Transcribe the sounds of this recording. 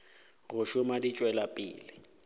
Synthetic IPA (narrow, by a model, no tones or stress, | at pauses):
ɣʊʃʊmadit͡ʃʼwɛlapʼɪ̰ːlɪ